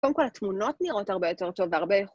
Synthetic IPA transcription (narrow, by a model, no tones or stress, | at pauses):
odemkolhatmuno̞tniʁo̞taʁbe̞jo̞te̞ʁto̞veaʁbejeχ